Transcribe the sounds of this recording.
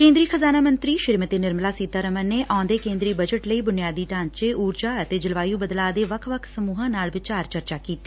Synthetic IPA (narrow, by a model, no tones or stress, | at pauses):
kẽːnd̪ɾiːkʰəzaːnaːmə̃nt̪ɾiːʃəɾimət̪eːnɪɾmlaːsiːt̪aːɾəməneːʔãːnd̪eːkẽːnd̪ɾiːbəd͡ʒəʈləiːbʊnɪjaːd̪iːʈãːɲt͡ʃeːuːɾd͡ʒaːət̪eːd͡ʒɪlʋaːjũːbəd̪laːd̪eːʋəkʰʋəkʰsəmuːɦãːnaːlʋɪt͡ʃaːɾt͡ʃəɾt͡ʃaːkiːt̪eː